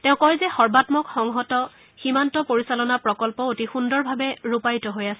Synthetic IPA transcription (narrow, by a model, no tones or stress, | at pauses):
tɛ̃ʊ̃kɔjzɛxɔɹbatmɔkxɔŋɦɔtɔ | ximantɔpoɹisalɔnapɹɔkɔlpɔotixundɔɹbʱabɛɹupajtɔɦojasɛ